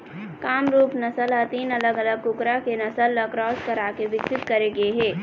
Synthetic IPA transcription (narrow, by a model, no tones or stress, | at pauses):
kaːmɾuːpnəsələt̪iːnələɡələɡ̚kʊkɾakenəsəlːəkɾɔːskəɾaːkeʋɪksɪt̪kəɾeɡeɦɛː